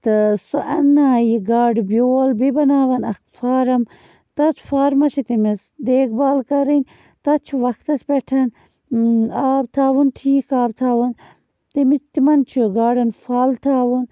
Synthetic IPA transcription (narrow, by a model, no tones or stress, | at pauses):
t̪ɨsuʔɐnːaːjiɡaːɖbjoːlbibɐnaːʋɐnɐkfaːɾɐm | t̪ɐsfaːɾmɐt͡ʃʰit̪imisd̪eːk̚baːlkɐɾinʲ | t̪ɐt͡ʃʰuʋɐkt̪ɐspeʈʰɐn | aːb̚t̪ʰaːʋunʈʰiːkaːb̚t̪ʰaːʋɐn | t̪imit̪imɐnt͡ʃʰuɡaːɖɐnfaːlt̪ʰaːʋun